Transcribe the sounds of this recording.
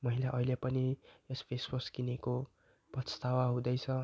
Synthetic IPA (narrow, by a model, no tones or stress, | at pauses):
mʌɦilaʔʌɦilepʌniespʰesbʌskineko | prʌst̪awaɦũd̪ʌjt͡sʰʌ